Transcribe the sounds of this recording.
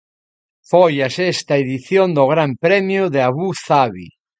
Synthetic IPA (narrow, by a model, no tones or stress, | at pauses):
fojasɛst̪ɐeðiθjond̪oɣ̞ɾampɾɛmjʊðeaβuθaβḭ